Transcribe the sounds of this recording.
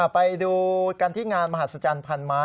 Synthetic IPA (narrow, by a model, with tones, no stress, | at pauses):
pa˧jduː˧kaː˧nt̪ʰiː˥˩ŋaː˧nma˧ha˨˩t̪̚sa˧t͡ɕaː˧npʰa˧nmaː˦˥